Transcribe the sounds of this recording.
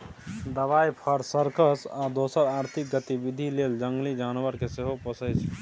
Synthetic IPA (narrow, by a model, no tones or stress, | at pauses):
d̪əʋaːjpʰəɾsəɾkəsad̪oːsəɾaːɾt̪ʰɪk̚ɡət̪iʋɪd̪ʱileːld͡ʒə̃ŋɡlid͡ʒaːnʋəɾkeseɦopəsət͡ʃʰ